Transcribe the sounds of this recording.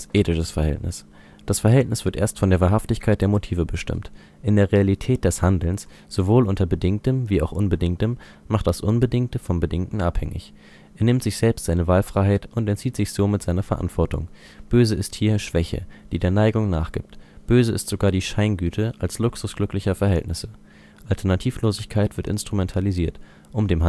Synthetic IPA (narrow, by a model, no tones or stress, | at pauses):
ʔeːtɪʃəsfɛɐhɛ̰ltnɪ̰s | d̥asfɛɐɦɛltnɪsv̥ɪɐtʔeːɐstfɔndeːɐvaːɐɦaftɪçkʰaɪt̚d̥eːɐmotʰiːvəbəʃtɪ̰mt | ʔɪndeːʁealitʰɛːt̚d̥ɛshandl̩ns | z̥ovoːlʔʊntɐbədɪŋk̚təmviːaʊxʔʊnbədɪŋtəm | maχt̚d̥asʔʊnbədɪŋktəfɔmbədɪŋtn̩ʔa̰phɛ̰ŋɪ̰ç | ʔeːɐnɪmtz̥ɪçz̥ɛlpstz̥aɪnəvaːlfʁ̥aɪɦaɪtʔʊntɛntt͡siːtz̥ɪçz̥oːmɪtz̥aɪnɐfɛɐʔa̰ntv̥ɔɐtʊ̰ŋ | b̥øːzəɪsthiːɐʃv̥ɛçə̰d̥iːdeːɐnaɪɡʊŋnaːχɡ̥ɪ̰p̚tb̥øːzəɪstz̥oɡaːɐdiːʃaɪnɡyːtʰəʔalslʊksʊsɡ̥lʏklɪçɐfɛɐɦɛltnɪsə | ʔaltʰɛɐnatʰiːfloːzɪçkʰaɪtv̥ɪɐtɪ̰nstʁ̥umɛntʰaliziːɐt | ʔʊmdeːm